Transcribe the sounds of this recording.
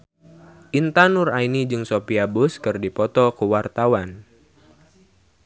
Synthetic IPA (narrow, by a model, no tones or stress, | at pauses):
ʔint̪anurainid͡ʒɨŋsopiabʊskɨrdipɔt̪ɔkuwart̪awan